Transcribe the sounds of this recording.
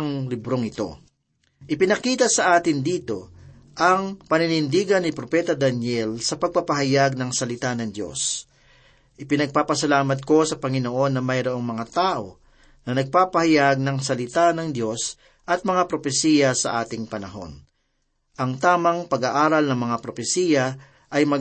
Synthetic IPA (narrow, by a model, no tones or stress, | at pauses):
ŋlɪbɾo̞ŋɪt̪o̞̰ | ʔɪpɪnɐkiːt̪ɐsɐʔaːt̪ɪnd̪iːt̪o̞ | ʔɐŋpɐnɪnɪnd̪iːɡɐnːɪpɾopɛt̪ɐd̪ɐnjɛlsɐpɐɡ̚papɐɦɐjaɡ̚nɐŋsɐlɪt̪anɐŋd̪jo̞̰s | ʔɪpɪnɐɡ̚paːpɐsɐlaːmɐt̪̚ko̞sɐpɐŋɪnoʔo̞nːɐmɐjɾoʔo̞ŋmɐŋat̪aːʔo̞ | nɐnɐɡ̚paːpɐhɐjaɡ̚nɐŋsɐlɪt̪anɐŋd̪jo̞s | ʔɐt̪̚mɐŋapɾo̞pɛsiːjɐsɐ̰ʔaːt̪ɪŋpɐnɐɦo̞̰n | ʔɐŋt̪aːmɐŋpɐɡaʔaːɾɐlnɐŋmɐŋapɾo̞fɛsiːjɐ | ʔɐjmɐ